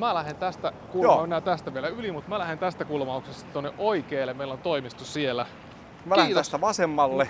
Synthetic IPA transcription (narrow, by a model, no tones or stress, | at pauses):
mælæhent̪æst̪ækuloɑenːæːt̪æst̪æʋielæylimut̪mælæhent̪æst̪ækulmɑuksest̪ɑt̪onːeʔoikeːlːemeilont̪oimist̪usielæ | mælæhinːt̪æst̪æʋɑsemːɑlːe